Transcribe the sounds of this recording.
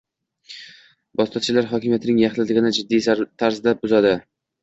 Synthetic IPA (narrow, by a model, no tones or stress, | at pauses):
bɒst̪ɒt̪t͡ʃʰɪlaɾɦɒkʲɪmijat̪ʰɪnɪŋjaχlɪd̪ɪɡʲɪnɪd͡ʒɪd̪ːijt̪ʰaɾzd̪abʊzad̪ɪ